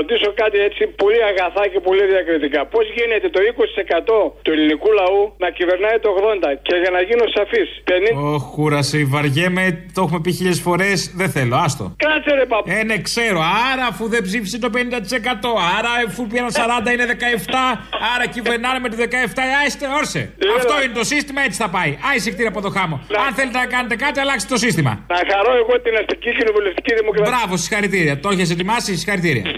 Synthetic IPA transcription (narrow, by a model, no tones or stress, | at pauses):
t̪iso̞kɐt̪ie̞t͡sipo̞liɐɣɐθɐce̞po̞liðiɐkɾit̪ikɐpo̞zʝinet̪e̞t̪o̞ikosit̪i̥se̞kɐt̪o̞t̪ue̞linikulɐunɐcive̞ɾnɐit̪oːɣðo̞nd̪ɐce̞ʝɐnɐʝinosɐfispenioxuɾɐsiivɐɾʝemet̪o̞xume̞piçiʎesfo̞ɾe̞sðeθe̞lo̞ɐst̪o̞̰kɐseɾepɐene̞kse̞ɾo̞ɐɾɐːfuðebzifsit̪o̞pe̞nind̪ɐt̪i̥se̞kɐt̪o̞ɐɾɐfupiɾɐnsɐɾɐnd̪ɐine̞ðe̞kɐeft̪ɐɐɾɐciveɾnɐnemet̪oðe̞kɐeft̪ɐɐst̪eoɾsḛɐft̪o̞inet̪o̞sist̪imɐe̞t͡si̥θɐpɐiɐisikt̪iɾɐpot̪o̞xɐmo̞ɐnθe̞let̪enɐkɐnet̪e̞kɐt̪iɐlɐkst̪et̪o̞sist̪imɐ̰nɐxɐɾoeɣot̪inɐst̪icicinovuleft̪i̥ciðimokɾɐbɾɐvo̞si̥xɐɾit̪iɾiɐt̪oçes̬et̪̬imɐsisixɐɾit̪iɾḭɐ̰